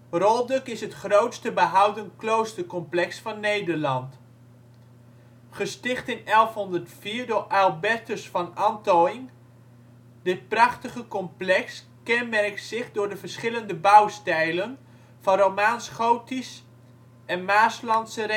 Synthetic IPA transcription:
rɔlˠdɵkɪsɦətχrowtstəbəɦawdənklowstəɹkɔmplɛksfɑnːejdəɹlɑnt | χəstɪχtɪnɛlˠfɦɔndəɹtfiːɹdʊːɹʔɛlˠbɛɹtəsfɑnɑntojɪŋ | dɪt̚prɑχtəχəkɔmplɛks | kɛnmɛrktsɪχdʊːɹdəvəɹsχɪləndəbawstɛjlən | v̥ɑnrowmaːnsχowtis | ɛnmaːslɑntsər

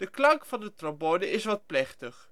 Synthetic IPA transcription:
d̥əklɑŋkfɑndətrɔbonəɪsʋɑt̚plɛχtəχ

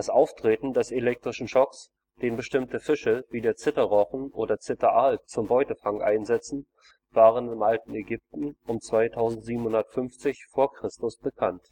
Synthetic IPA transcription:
d̥asʔaʊftʁ̥eːtn̩dɛselɛk̚tʁ̥ɪʃn̩ʃɔks | d̥eːnbəʃtɪmtəfɪʃəviːdeːɐt͡sɪtɐʁɔχn̩ʔoːdɐt͡sɪtɐʔaːl̚t͡sʊmbɔʏtəfaŋʔa̰ɪnzɛt͡sn̩ | v̥aːʁ̞ənɪmʔaltn̩eɡʏp̚tn̩ʊmt͡sv̥aɪtʰaʊzn̩tz̥iːbm̩hʊndɐtfʏnft͡sɪçfoːɐkʁ̥ɪstʊsb̥əkʰant

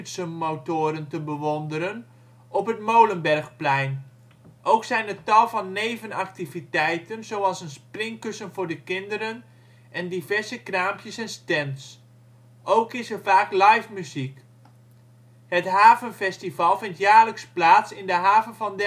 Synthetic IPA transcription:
tsəmoːtoːɾəntəbəʋondəɾən | ɔpɦətmowlənbɛrxplɛjn | ʔowksɛjnətɑlˠvɑnːejvənak̚tivitɛjtənzowɑlˠsənsprɪŋkøsənfʊːɹdəkɪndəɾən | ʔɛndivɛɹzəkraːmpjəsɛnstɛns | ʔowkɪsərfaːklajfmyzik | hətɦaːvənfɛstivɑlˠfɪntjaːrləksplaːtsɪndəɦaːvənvɑnd

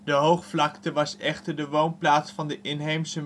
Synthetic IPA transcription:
dəɦowχflɑktəʋɑsɛχtəɹdəʋownplaːtsfɑndəʔɪnɦejmsə

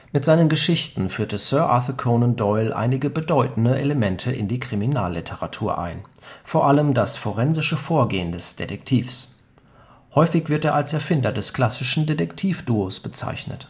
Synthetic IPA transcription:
mɪtz̥aɪnənɡəʃɪçtn̩fyːɐtəsœɐʔa̰θəkʰonʊn̚d̥ɔʏlʔa̰ɪnɪɡəbədɔʏtn̩dəʔeləmɛntʰəʔɪ̰ndiːkʁ̥imina̰ːlːɪtʰəʁatʰuːɐʔa̰ɪnfoːɐʔaləmdasfoʁɛnzɪʃəfoːɐɡeːəndɛsd̥ḛdɛktʰiːfs | hɔʏfɪçv̥ɪɐteːɐalsɛɐfɪndɐdɛskl̥asɪʃn̩dedɛktʰiːfd̥uːosb̥ət͡sa̰ɪçnə̰t

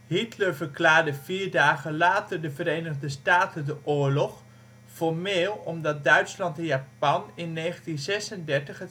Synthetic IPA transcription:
ɦitləɹvəɹklaːɹdəviːɹdaːɣəlaːtəɹdəvəɾejnəɣdəstaːtəndəʔʊːɹlɔχ | fɔɹmeːlˠɔmdɑt̚dœɥtslɑntɛnjaːpɑnɪnːeːχəntinzɛsəndɛɹtəχə

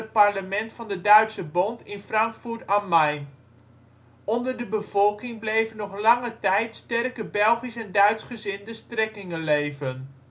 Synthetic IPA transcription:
ət̚parləmɛntfɑndədœɥtsəbɔntɪnfrɑŋkfutamɛjn | ɔndərdəbəv̥ɔlˠkɪŋblejvənɔχlɑŋətɛjtstɛrkəbɛlˠχisɛndœɥtsχəzɪndəstrɛkɪŋəlejvən

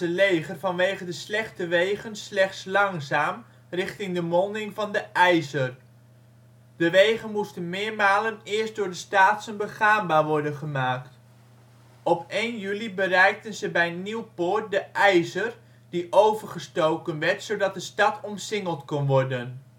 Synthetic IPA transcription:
əlejχərvɑnʋejχədəslɛχtəʋejχənslɛχtslɑŋzaːm | rɪχtɪŋdəmɔndɪŋvɑndəʔɛjzər | d̥əʋejχənmustənmɪːɹmaːlənɪːɹst̚dʊːɹdəstaːtsənbəχaːmbaːɹʋɔɹdənχəmaːkt | ɔpejnjylibərɛjk̚tənzəbɛjəniwpʊːɹt̚dəʔɛjzər | d̥iʔowvəɹχəstowkənʋɛɹtsowdɑt̚dəstɑtʰɔmsɪŋəlˠtkɔnʋɔɹdən

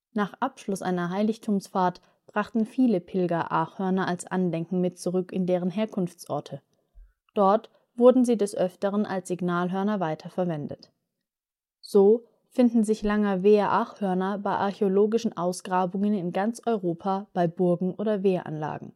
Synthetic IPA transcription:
naːχʔapʃlʊsʔa̰ɪnɐɦaɪlɪçtʰuːmsfaːɐt | b̥ʁaχtn̩fiːləpʰɪlɡɐʔaːχhœɐnɐʔalsʔa̰ndɛŋkŋ̩mɪtt͡suʁʏkɪndeːʁ̞ənɦeːɐkʰʊnft͡sʔɔ̰ɐtʰə | d̥ɔɐt | v̥ʊɐdn̩ziːdɛsʔœftəʁənʔa̰lsz̥ɪɡnaːlɦœɐnɐvaɪtʰɐfɛɐvɛndə̰t | z̥oː | fɪndn̩zɪçlaŋəveːɐʔaːχhœɐnɐbaɪʔaɐçeoloːɡɪʃn̩ʔaʊsɡ̥ʁaːbʊŋənɪnɡant͡sʔɔʏʁoːpʰaːb̥aɪbʊɐɡŋ̩ʔoːdɐveːɐʔa̰nla̰ːɡŋ̩

